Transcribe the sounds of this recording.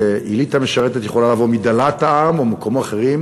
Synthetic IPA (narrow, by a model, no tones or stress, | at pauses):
eʔilit̪ameʃaʁet̪et̪jeolalavomid̪alat̪aamomakomoaχeʁim